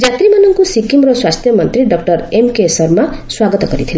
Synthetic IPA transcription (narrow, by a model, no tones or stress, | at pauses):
d͡zat̪rimanʌŋkosikimrʌswast̪ʰjʌmʌnt̪ɾiɖʌk̚ʈʌremkesʌrmaswaɡʌt̪ɔɡʌɾit̪ʰil